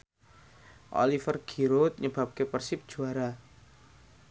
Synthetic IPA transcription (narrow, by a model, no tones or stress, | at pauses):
ʔo̰lifərɡ̥i̤ɾot̪̚ɲəb̥a̤p̚kepərsɪp̚d̥d͡ʒ̥ṳaɾa